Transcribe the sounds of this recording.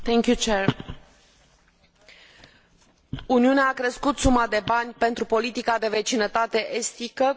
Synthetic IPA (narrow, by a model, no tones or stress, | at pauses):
t̪eŋkʲjut͡ʃeɾ | uniuneaːkɾeskut̪sumad̪e̞banʲpe̞nt̪ɾupo̞lit̪ikad̪e̞ve̞t͡ʃinət̪at̪e̞ʔest̪ikə